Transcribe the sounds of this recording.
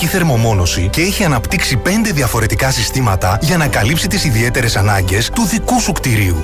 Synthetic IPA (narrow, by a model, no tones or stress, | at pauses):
iθe̞ɾmo̞mo̞no̞sice̞eçiɐnɐpt̪iksipe̞nd̪e̞ðiɐfo̞ɾe̞t̪ikɐsist̪imɐt̪ɐʝɐnɐkɐlipsit̪isiðie̞t̪e̞ɾe̞sɐnɐɲɟe̞st̪uðikusukt̪iɾiu